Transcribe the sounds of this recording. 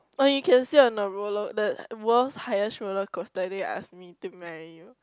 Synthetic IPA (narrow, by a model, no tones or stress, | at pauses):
ɔjukɛ̃nsiɔ̃nəɹolɔkdəwɔshajəsɹolɔkɔstadeʔa̰smitumɛɹiju